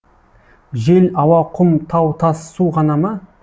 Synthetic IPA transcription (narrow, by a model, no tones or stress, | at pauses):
ʒelɑwɑqʰʊmt̪ʰɑwt̪ʰɑsːuʁɑnɑmə